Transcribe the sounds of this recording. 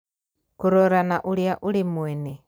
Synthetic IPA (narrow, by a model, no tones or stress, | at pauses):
kuɾoɾanaʔuɾjaʔulimwɛne